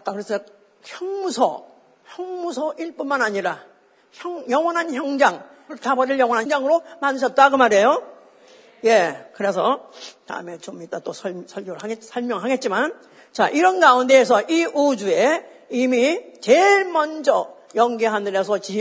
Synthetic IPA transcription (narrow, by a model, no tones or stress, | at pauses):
ak͈akɯɾesʰ | çjʌŋmusʰʌ̰ | çjʌŋmusʰʌʔiɭp͈unmanaɲiɾa | çjʌŋjʌŋwʌnɦançjʌŋd͡ʑaŋ | ɯɭtabʌɾiɭjʌŋwʌnɦad͡ʑaŋɯɾomanɯɕ̬ʰʌt̚t͈aɡomaɾe̞jo | je̞kɯɾe̞sʰʌta̰ɯme̞t͡ɕomit͈at͈osʰʌsʰʌɭɡjoɾɯɭaɡet̚sʰʌɭmjʌŋɦaɡet̚t͡ɕ͈iman | t͡ɕa̰ʔiɾʌnɡaunde̞ːs̬ʰʌʔiʔud͡ʑue̞ | imit͡ɕeɭmʌnd͡ʑʌ | jʌŋɡiɦanɯɾesʰʌt͡ɕi